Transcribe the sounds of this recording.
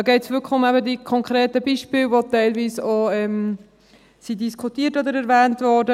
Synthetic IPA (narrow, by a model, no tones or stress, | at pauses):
ɡɛɪtsʋʏkʰəʊmæbədikʰɔŋkʰɾeːtəbiːʃpɪːlʋotɛɪlviːsoɛm | sidiskʰutiːtod̪əɾɛɾvɛːntvɔːdə